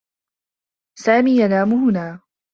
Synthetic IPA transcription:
saːmiːjanaːmʊɦʊnaː

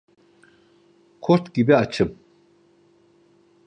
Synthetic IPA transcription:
kʰɔɾt̪ʰɡibɛat͡ʃʰɨm

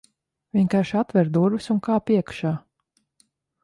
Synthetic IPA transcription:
vʲiɲkaɾʃat̪vɛɾd̪uɾvɨsuŋkaːpiɛkʃaː

